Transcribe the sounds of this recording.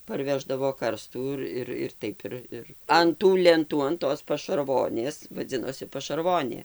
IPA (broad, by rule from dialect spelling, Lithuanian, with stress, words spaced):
pɐrʲˈʋʲæːʒdɐʋoː ˈkɐrstuː ɪr ˈɪr ɪr ˈtɐɪp ɪr ɐn tuː lʲɛnˈtuː ɐn ˈtoːs pɐʃɐrˈʋoːnʲeːs ʋɐˈd͡zʲɪnoːsʲɪ pɐʃɐrˈʋoːnʲeː